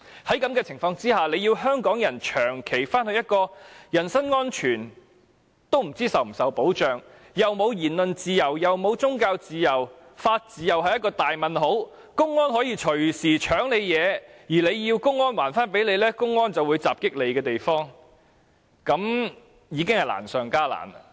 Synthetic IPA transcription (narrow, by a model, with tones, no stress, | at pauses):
hɐ˨˥jkɐ˨˥mkɛː˧t͡sʰɪ˨˩ŋfɔː˧ŋt͡siː˥ɦaː˨le˨˧jiː˧wɦœː˥ŋkɔː˨˥ŋjɐ˨˩nt͡ʃʰœː˨˩ŋkʰe˨˩jfaː˥nhɵ˧jɐ˥t̚kɔː˧jɐ˨˩nsɐ˥nŋɔː˥nt͡ʃʰyː˨˩n | t̪o˥wm̩˨˩t͡siː˥sɐ˨wm̩˨˩sɐ˨wpo˨˥wt͡ʃœː˨ŋ | jɐ˨˩wmo˨˧wjiː˨˩nlɵ˨nt͡siː˨jɐ˨˩wjɐ˨wmo˨˧wt͡sʊ˥ŋkaː˧wt͡siː˨jɐ˨˩w | faː˧t̚t͡siː˨jɐ˨˩wɦɐ˨jɐ˥t̚kɔː˧t̪aː˨jmɐ˨nɦo˨˥w | kʊ˥ŋːɔː˥nɦɔː˨˥jiː˧t͡ʃʰɵ˨˩ɥsiː˨˩t͡ʃʰœː˨˥ŋle˨˧jjɛː˨˧jiː˨˩le˨˧jjiː˧wkʊ˥ŋːɔː˥nwaː˨˩nfaː˥np̬e˨˥jle˨˧jlɛː˥kʊ˥ŋːɔː˥nt͡sɐ˨wuː˨˧jt͡saː˨p̚kɪ˥k̚le˨˧jkɛː˧t̪e˨jfɔː˥ŋ | kɐ˨˧˥m | jiː˨˧kɪ˥ŋhɐ˨jla̰ː˨˩nsœː˨ŋkaː˥la̰ː˨˩n